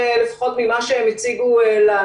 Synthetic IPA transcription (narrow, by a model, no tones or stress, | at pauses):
elefḁχo̞t̪mimaʃeemit͡siɡuela